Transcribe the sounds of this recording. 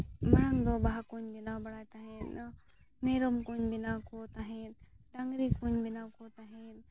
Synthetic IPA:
mɐɽənd̪oːbaːkuːɲbɪnaːbɐɽaːt̪aɦẽːn | meːɾomkuːɲbɪnaːkoːt̪aːɦẽːd̪ | ɖɐ̃ŋɡɾiːkuːɲbɪnaːkoːt̪aːɦẽːn

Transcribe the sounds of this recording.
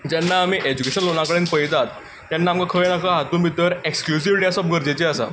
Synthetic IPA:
d͡ʑɛnːaːmiːʔed͡ʑukeɕənlonãkəɽeːnpəjt̪at̪ː | janːaːmkakʰəɭenakəɦat̪uːnbit̪ːəɾeksklusiʋʈasɔp̚ɡʱəɾd͡ʑet͡ɕeasa̰

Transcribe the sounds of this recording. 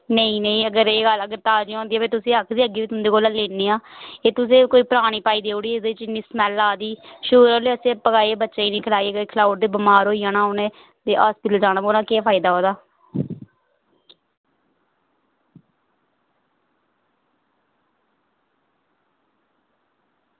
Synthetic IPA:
nəĩːnəĩːəɡəɾeːɡələɡəɾt̪aːd͡ʒiːõːnd̪iːaːbeːt̪ʊsĩːəkʰd̪iːəɡiːɪt̪ʊnd̪eːkoːlaːleːneːaːeːt̪ʊs̬ẽːkoːiːpəɾaːɽ̃iːpaːiːd̪eːoɽiːɪd̪et͡ʃiːniːsmɛːlːaːd̪iːʃʊːɾoːliəsẽːpəkaːiebətːʃaːiːnĩːkʰlaːiɡəekʰlaːʊʈ̚d̪eːbəmaːɾɦoːiːaːnãːʊnẽː | t̪eːʔaːspɪʈəld͡ʒaːnaːboːnãːkeːpʰaːɪd̪aːɦoːd̪aː

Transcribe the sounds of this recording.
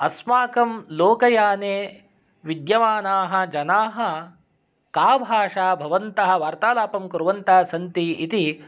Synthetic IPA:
ɐsmaːkɐmloːkɐjaːneː | ʋid̪jɐʋaːnaːɦɐ̆d͡ʒɐnaːɦɐ̆ | kaːbʱaːʂaːbʱɐʋɐnt̪ɐɦɐ̆ʋaːɾt̪aːlaːpɐmkuɾʋɐnt̪aːsɐnt̪iit̪i

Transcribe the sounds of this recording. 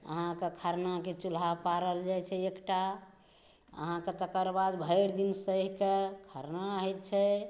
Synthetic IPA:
ə̰ɦãkekʰəɾnaket͡ʃulapaɾəld͡ʒajt͡ʃʰɛekʈa | ə̰ɦãket̪əkəɾbad̪bʱəjɾd̪insəɦkekʰəɾnaɦet̪̚t͡ʃʰɛ

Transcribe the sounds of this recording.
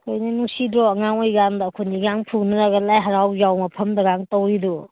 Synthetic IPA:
kʰojnɐnusidɾɔɐŋaŋojɡandɐːkʰuniɡaŋpʰuŋnɐɾaɡɐlajɦɐɾawjawmɐpʰɐmdɐɡaŋtowidɔ

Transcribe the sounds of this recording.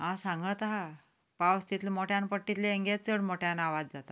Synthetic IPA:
ɦãsãŋɡət̪ɦa | pawst̪it̪lmoʈʰjanpəʈːit̪leeŋɡet͡səɽmoʈʰjanaʋad͡zd͡zat̪a

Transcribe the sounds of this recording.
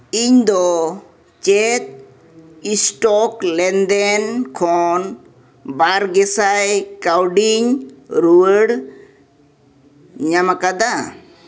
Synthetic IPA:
iɲd̪ɔ | t͡ʃɛt̪̚ | isʈɔklɛnd̪ɛnkʰɔn | baɾɡɛsajkawɖiɲɾuəɽ | ɲamakad̪a

